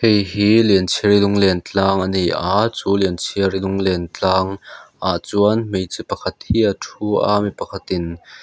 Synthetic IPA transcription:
hejɦiːliənt͡sʰiəɾilʊŋlɛnt͡ɬaːŋʔɐnejʔaːt͡suːliənt͡sʰiərilʊŋlɛnt͡ɬaːŋʔaːʔt͡suənmejt͡sipɐkʰɐt̪̚hiʔɐtʰuʔa̰mipɐkʰɐt̪ɪn

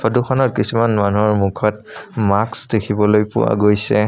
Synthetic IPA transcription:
ɔdukʰɔnɔt̚kisumanmanuɔɹmukʰɔtmaksdekʰibɔlojpʊ̰wa̰ɡojsɛ

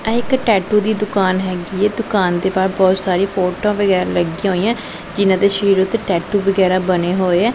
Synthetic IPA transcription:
ɛːɪkʈɛːʈuːd̪iːd̪ʊkaːnɦɛːɡiːɛːd̪ʊkaːnd̪eːbaːɾbɔːt̪saːɾĩːpʰoːʈãːʋəɡɛːɾləɡiãɦoːiːãː | d͡ʒɪnãːd̪eːʃəɾiːɾʊt̪ːeːʈɛːʈuːʋəɡɛːɾaːbəneːɦoːeːɛː

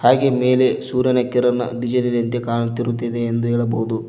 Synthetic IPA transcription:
haːɡemeːlesuːɾjɐnɐkiɾɐnːɐ̰d̪id͡ʒɐnilɐnt̪ekaːɳut̪ːiɾut̪ːid̪eːnd̪uɦɛːɭɐbɐɦud̪u

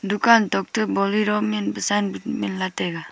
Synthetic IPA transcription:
d̪ukant̪ɔk̚t̪ɯbɔliɾɔminbəsanbutminlat̪ɛɡa

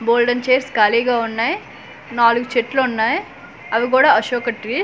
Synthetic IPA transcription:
boːlɖɐnt͡ʃeːɾskaːliːɡaːunːaːj | naːluɡut͡ʃeʈloːunːaːj | ɐʋik̬uːɽaːɐʃoːkɐʈːi

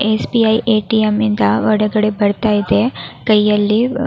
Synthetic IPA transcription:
esbiɐiʔeːʈiemind̪ɐʋɐɽɐɡɐɽebɐɽt̪aid̪ekɐjjɐlːi

